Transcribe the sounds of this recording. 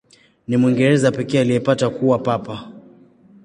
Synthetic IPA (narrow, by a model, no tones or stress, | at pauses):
nimwiŋɡɛɾɛzapɛkɛːaliɛpatakuwapapa